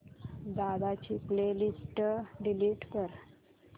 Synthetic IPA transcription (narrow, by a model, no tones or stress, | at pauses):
d̪ad̪at͡ɕiklelisʈɖiliʈkəɾ